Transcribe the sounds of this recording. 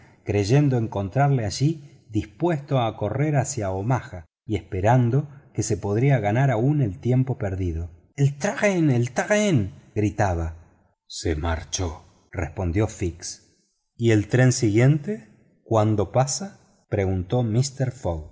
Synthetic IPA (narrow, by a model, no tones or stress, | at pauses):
kɾeʒe̞nd̪oe̞ŋko̞nt̪ɾaɾleaʒi | ðispwe̞st̪oako̞reɾasjaomaxa | iespeɾand̪o̞kesepo̞ðɾiaɣanaɾaune̞lt̪je̞mpopeɾðið̞o | elt̪ɾaʁenelt̪aʁenɡɾit̪aβ̞a | sḛma̰ɾt͡ʃo | respo̞nd̪jo̞fiks | ie̞lt̪ɾensiɣje̞nt̪e | kwand̪o̞pasa | pɾe̞ɣunt̪o̞mist̪eɾfoɣ